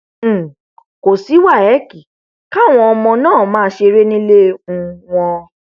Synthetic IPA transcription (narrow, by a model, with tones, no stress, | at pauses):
ko˨si˨˦wa˦˨ɛ˨˦ki˨ | ka˦˨w̃ɔ̃˧ɔ˧mɔ̃˧nãː˦˨mãː˦ʃe˧ɾe˦nĩ˦le˦ũ˧w̃ɔ̃˧